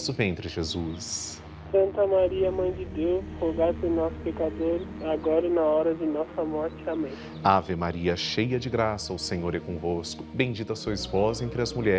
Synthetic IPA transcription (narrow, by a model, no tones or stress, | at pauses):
sʊvẽnt̪ɾɪʒezus | sɐ̃nt̪ɐmaɾiɐmɐ̃j̃d͡ʒɪd̪ewshoɡatɪnɔsʊ̥pekad̪oɾaɡɔɾɐnɐɔɾɐd͡ʒɪnɔsɐmɔɾt͡ʃɪamẽj̃ | avemaɾiɐʃejɐd͡ʒɪɡɾasɐʊsẽɲoɾɛkõvoskʊbẽj̃d͡ʒit̪ɐsuɐispozɐẽnt̪ɾɪɐzmuʎɛ